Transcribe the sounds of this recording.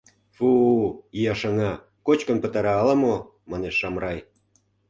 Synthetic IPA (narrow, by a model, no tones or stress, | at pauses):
fuijɑʃɑŋɑ | kot͡ɕkə̆npə̆t̪ɑɾɑːlɑmo | mɑneʃːɑmrɑj